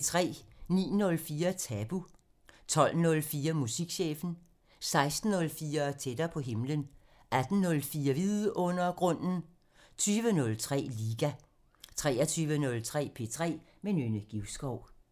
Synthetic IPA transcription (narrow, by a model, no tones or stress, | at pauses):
t͡sʰʁɛ̰ːnḭːnɔ̽lfiːɐt͡sʰæb̥u | t͡sʰɒ̽l̰nɔ̽lfiːɐmusiɡ̥ɕḛːfn̩ | sɑ̈ɪsd̥n̩ːɔ̽lfiːɐt͡sʰed̥ɐpʰɒ̽ɦe̝mlən | ʔæd̥n̩nːɔ̽lfiːɐʋiðˠʔɔ̽n̰ɐɡ̥ʁɔ̽n̰n̩ | t͡sʰyːʋənɔ̽lt͡sʰʁɛ̰ːliːɡ̥æ | t͡sʰʁɛːɐt͡sʰyːʋənɔ̽lt͡sʰʁɛ̰ːpʰe̝̰t͡sʰʁɛ̰ː | menønəɡ̥iʊsɡ̥ɒʊ̰